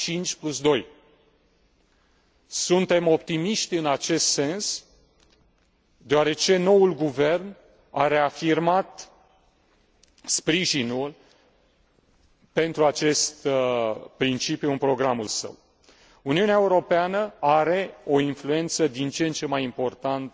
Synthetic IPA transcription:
t͡ʃint͡ʃʲplusd̪o̞j | sunt̪e̞mo̞p̚t̪imiʃt̪ɨnat͡ʃe̞st̪se̞ns | d̪eoaɾe̞t͡ʃe̞no̞wulɡuve̞rn | aɾe̞afirmat̪ | spɾiʒinul | pe̞nt̪ɾuat͡ʃe̞st̪ | pɾint͡ʃipjuɨnpɾo̞ɡɾamulsə̰w | uniuneaeuɾo̞peanəaɾe̞o̞influe̞nt̪səd̪int͡ʃent͡ʃe̞majimpo̞rt̪ant̪

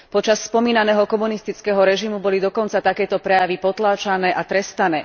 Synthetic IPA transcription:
pɔt͡ʃasːpɔmiːnanɛːɦɔkɔmunist̪it͡skɛɦɔɾɛʒimubɔlid̪ɔkɔnt͡sat̪akɛːt̪ɔpɾɛjaʋipɔt̪laːt͡ʃanɛːʔat̪ɾɛst̪anɛː

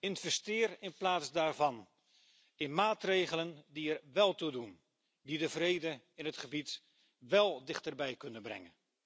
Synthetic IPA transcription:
ɪnv̥ɛstɪːrɪnplaːtsdaːɹvɑn | ɪnmaːtrejχələndiɛrʋɛlˠtudun | didəvrejdə | ɪnɦətχəbit | ʋɛlˠdɪχtərbɛjkɵnənbrɛ̰ŋən

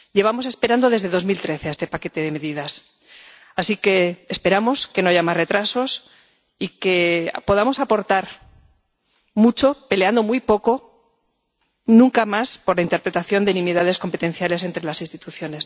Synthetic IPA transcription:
je̞β̞amo̞se̞spe̞ɾand̪o̞ðe̞zðe̞ðo̞zmilt̪ɾe̞θe̞aest̪e̞pake̞t̪e̞ðe̞me̞ðiðas | asike̞ːspe̞ɾamo̞ske̞noaʝamazre̞t̪ɾaso̞s | ike̞̰po̞ð̞amo̞sapo̞ɾt̪aɾ | mut͡ʃo̞pe̞leand̪o̞mujpo̞ko̞ | nũŋkamaspo̞ɾlaint̪e̞ɾpɾe̞t̪aθjo̞nd̪enĩmiðaðe̞sko̞mpe̞t̪ẽ̞nθjale̞se̞nt̪ɾelasinst̪it̪uθjo̞ne̞s

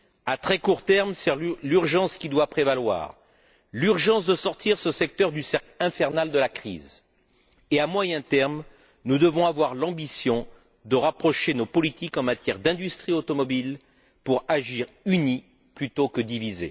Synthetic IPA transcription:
at̪χɛkuʁt̪ɛʁmsɛʁlyʁʒɑ̃skʲid̪wapχevalwa̰ːʁ | lyʁʒɑ̃sd̪əsɔʁt̪ʰiʁsəsɛk̚t̪œʁd̪ysɛʁklɛ̃fɛʁnald̪əlakχḭz | eamwajɛ̃t̪ɛʁm | nud̪əvɔ̃avwaʁlɑ̃bisjɔ̃ | d̪əʁapχɔʃenopɔlit̪ikɑ̃mat̪jɛʁd̪ɛ̃d̪yst̪χiot̪ɔmɔbil | puʁaʒiʁyni | plyt̪okəd̪ivizḛ

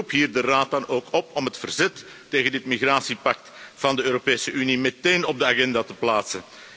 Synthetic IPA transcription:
upɦiːrdəraːt̚dɑnoːkɔpɔmɦətfərzɛtː | eːɣəndɪtmiɣraːsipɑk̚tv̥ɑndəøːɾopeːsəynimɛteːnɔb̚dəaɣɛndatəplaːtsən

